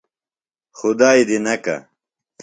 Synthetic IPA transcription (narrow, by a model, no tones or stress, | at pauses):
xʊd̪aːjd̪inɐka̰